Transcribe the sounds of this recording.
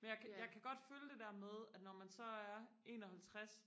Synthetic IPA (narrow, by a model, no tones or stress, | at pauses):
menjɑɪkʰjɑ̈ɪkʰæɡ̥ɒ̽d̥føləd̥e̝d̥æɐmeð̞ˠæd̥nɒmænsɒ̽æɐ | e̝̰ːnɒ̽hælt͡sʰʁas